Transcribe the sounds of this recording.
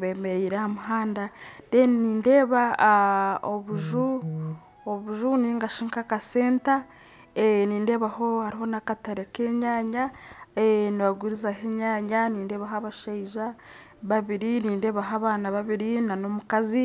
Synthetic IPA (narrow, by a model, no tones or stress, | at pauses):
βeːme̞ɾeːɾahamuɦaːndadenniːnde̞ːβa | oβuʒu | oβuʒuniːŋɡaʃiːŋkakase̞ːnta | eniːnde̞ːβaɦo̞haɾiho̞nakataɾeke̞ːɲaːɲaeniβaɡuɾizaheːɲaːɲaniːnde̞ːβaɦaβaʃaiʒa | βaβiɾiniːnde̞ːβaɦaβaːnaβaβiɾinanomukazi